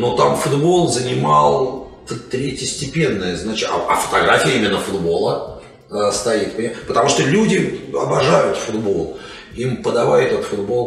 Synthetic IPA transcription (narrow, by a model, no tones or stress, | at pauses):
not̪amfʊd̪bo̞lˠzənʲɪmɑlˠ | t̪ət̪ɾʲetʲɪsʲtʲɪpʲe̞nːəjəznat͡ɕɪt̪ɐ̰ɐfə̥t̪ɐɡɾafʲɪjəimʲɪnːəfʊd̪bo̞lˠə | əst̪ɐit̪pʲpət̪ɐmuʂt̪olʲudʲɪɐ̰bɐʐajʊt̪fʊd̪bo̞lˠ | impəd̪ɐvajɛt̪ət̪fʊd̪bo̞lˠ